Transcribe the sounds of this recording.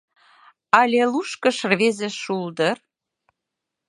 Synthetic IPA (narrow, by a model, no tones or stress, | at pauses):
ɑlʲeluʃkə̆ʃrβezĕʃuld̪ər